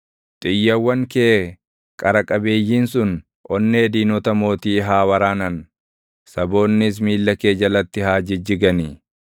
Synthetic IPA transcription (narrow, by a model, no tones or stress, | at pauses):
t̪ʼɪjːɐwːɐŋkeː | kʼɐɾɐkʼɐbe̞ːjːiːnsʊn | ʔɔnːeːd̪iːnɔt̪ɐmo̞ːt̪iːɦaːwɐɾaːnɐn | sɐbo̞ːnːɪs̬miːlːɐke̞ːd͡ʒɐlɐt̪ːɪhaːd͡ʒɪd͡ʒɪɡɐni